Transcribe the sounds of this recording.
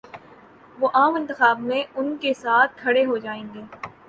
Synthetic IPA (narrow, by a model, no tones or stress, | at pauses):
ʋoːʔaːmɪ̃nt̪ɪxaːbmẽʊnkesaːt̪̚ʰkʰɐɽeɦod͡ʒaːẽːŋɡeː